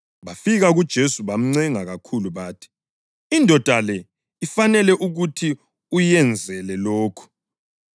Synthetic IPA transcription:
βafiɣaɣud̥ʒ̥ʱesuβam̩ŋ͡ǀɛŋaɣakʰuluβaːtʰi̥ | indʱɔd̥ʱalɛ | ifanɛlɛʔuɣutʰi | ujɛnd͡zʱɛlɛloːkʰɔ̥

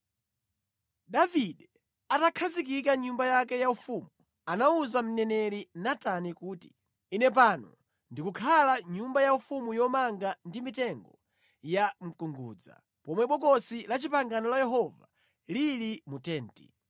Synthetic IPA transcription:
ɗaviɗɛ | atakʰazik̬ikaɲumbajak̬ɛjaufumu | anauzam̩nɛnɛɾinatanikuːti | inɛp̬aːnɔ | ndikukʰalaɲumbajaufumujɔmaŋɡandimitɛŋɡɔ | jam̩kuŋɡṵːd͡za̰ | pɔmwɛɓɔkɔsilat͡ʃipaŋɡanɔlajɛɦɔva | lilimutɛːntḭ

